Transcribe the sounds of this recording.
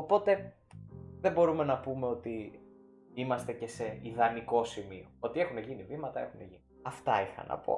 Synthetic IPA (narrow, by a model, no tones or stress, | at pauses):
o̞po̞t̪e̞ | ðebo̞ɾume̞nɐpume̞o̞t̪i | imɐst̪e̞ce̞se̞iðɐniko̞simio̞o̞t̪ie̞xune̞ʝinivimɐt̪ɐe̞xune̞ʝiniɐft̪ɐixɐ̰nɐ̰po̞̰